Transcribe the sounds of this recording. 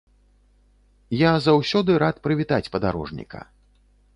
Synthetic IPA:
jazawsʲɔd̪ɨɾat̪pɾɨvʲit̪at͡sʲpɐd̪aɾɔ̰ʐnʲḭkɐ̰

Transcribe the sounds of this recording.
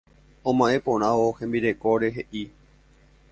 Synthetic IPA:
õmãʔẽ̞põ̞ɾ̃ãʋohẽ̞mbiɾe̞ko̞ɾe̞ɦe̞ʔi

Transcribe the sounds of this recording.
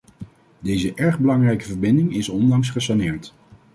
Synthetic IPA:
dejzəʔɛɹχbəlɑŋrɛjkəvəɹbɪndɪŋɪsɔndɑŋs̬χəsanɪːɹt

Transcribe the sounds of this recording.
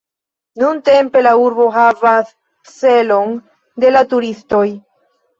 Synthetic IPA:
nunte̞mpe̞lauɾbo̞ɦavasː | e̞lo̞n | de̞latuɾisto̞j

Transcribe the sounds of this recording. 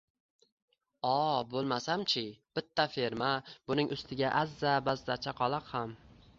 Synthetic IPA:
ɒbolˠmasamt͡ʃʰɪb̥ɪt̪ʰːafe̞ɾmabʊnɪŋʔʊst̪ʰɪɡʲaʔazːabazːat͡ʃʰaqʰɒlˠɑqham

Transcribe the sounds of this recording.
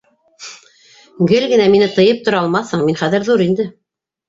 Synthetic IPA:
ɡɘlɡɘ̆næminɘt̪ɤ̆jɤp̚t̪ŏɾɑɑlˠmɑθhɤɴminχæðɘɾðuɾind̪ɘ

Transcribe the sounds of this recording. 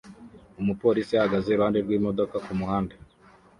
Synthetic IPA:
umupo̞ːɾisijahaɡazeɾuhaːndeɾɡwiːmo̞do̞kakumuhaːnde

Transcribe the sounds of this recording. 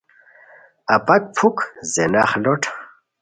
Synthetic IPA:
ɐpɐk̚pʰukzenaχloʈʰ

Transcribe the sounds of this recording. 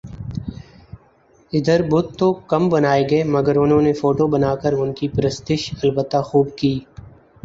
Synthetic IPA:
ɪd̪əɾbʊt̪t̪ːokɐmbɐnaːeɡɐemɐɡəɾʊnɦõnefoːʈobɐnaːkəɾʊnkipɾəst̪ɪʃɐlbət̪ːaxuːbkiː

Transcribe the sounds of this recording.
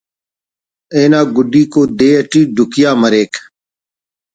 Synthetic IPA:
eːnaːɡʊɖiːkoːd̪eːəʈiːɖʱʊkɪjaːməɾeːk

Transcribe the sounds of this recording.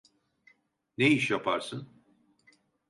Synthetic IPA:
neiʃjapʰaɾsɯn

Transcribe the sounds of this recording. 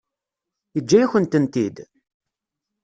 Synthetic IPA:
əd͡ʒːæjæçənt̪ənt̪id̪

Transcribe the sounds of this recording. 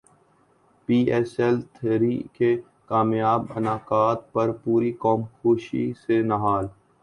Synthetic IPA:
piːɛːsɛlt̪ʰːɾike | kaːmjaːbɐnaːkaːt̪̚pɐɾpuːɾikɔːmxoːʃḭsenɐɦaːl

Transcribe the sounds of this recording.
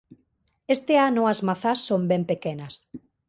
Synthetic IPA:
est̪eanʊɐzmaθasːombɛmpekenɐs

